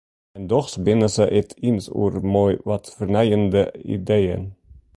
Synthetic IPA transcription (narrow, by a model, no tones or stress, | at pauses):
ɛndɔχsbɪnəsəʔɛtʰinsṵɾmɔjʋɑtfərnɛjəndəḭdejə̰n